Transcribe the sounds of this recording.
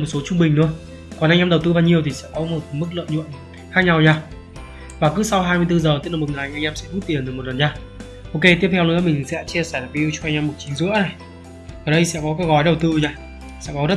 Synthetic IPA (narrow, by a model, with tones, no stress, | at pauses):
mo˨˩t̚so˨˦t͡ɕʊ˧ŋ͡mɓï˨˩ŋ̟nɨ̰˧˥ə | kɔ˨˩nʔa˧ŋʔɛː˧mɗə˨˩wt̪ɨ˧ɓaː˧wɲi˨˩əwt̪ʰi˨˩sɛ̰˧˥kɔ˨˦mo˨˩t̚mɨ˦˥k̚lɨ̰˧˨nɲṵ˧˨ən | xaː˦˥k̚ɲa˧wɲaː˧ | vaː˨˩kɨ˨˥sa˧wɦaː˧mɨ˧əjt̪ɨ˧zəː˨˩t̪i˦˥ən˨˩m˨˩ŋa˨˩˨ʔa˧jŋʔɛː˧msɛ̰˧˥tu˦˥t̪̚i˨˩ən˨˩mo˨˩t̚lə˨˩nɲaː˧ | ʔo˧ke˧t̪i˦˥əp̚t̪ʰwnɨ̰˧˥əmï˨˩ŋ̟sɛ̰˧˥t͡ɕe˧əsɛː˧˩laː˨˩ki˧i˧t͡ɕɔ˧ʔa˧ŋ̟ʔɛː˧mu˨˩t̚t͡ɕï˨˦ŋzɨ̰˧˥əna˨˩j | ʔəː˨˩ɗə˧jsɛ̰˧˥kɔ˨˦kaː˨˦jɣɔ˨˦jɗə˨˩wt̪ɨ˧ɲaː˧ | sɛ̰˧˥kɔ˨˦zə˦˥t